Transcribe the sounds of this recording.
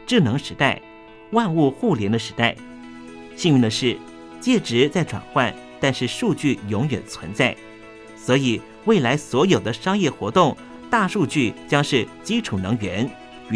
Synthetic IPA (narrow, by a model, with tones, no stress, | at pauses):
ʈ͡ʂɻ̩˥˩nɤ˧˥ŋʂɻ̩˧˥t̪a˥˩ɪ | wa˥˧nu˥˧xu˥˩ljɛ˧˥nd̪ə˧ʂɻ̩˧˥t̪a˥˩ɪ | ɕi˥˧ŋi˥˧ŋd̪ə˧ʂɻ̩˥˩ | t͡ɕjɛ˥˩ʈ͡ʂɻ̩˧˥t͡sa˥˩ɪʈ͡ʂwa̰˨˩nxwa˥˩n | t̪a˥˧nʂɻ̩˥˧ʂu˥˧t͡ɕy˥˩jʊ˧˥ŋɥɛ̰˨˩nt͡sʰwə̰˧˥nt͡sa˥˩ɪ | swɔ˧˥i˨˩ | we˥˩ɪla˧˥ɪswɔ˧˥jo˨˩ʊd̪ə˦ʂɑ˥ŋjɛ˥˩xwɔ˧˥t̪ʊ˥˩ŋ | t̪a˥˧ʂu˥˧t͡ɕy˥˩t͡ɕjɑ˥ŋʂɻ̩˥˩t͡ɕi˥ʈ͡ʂʰu˨˩nɤ˧˥ŋɥɛ˧˥n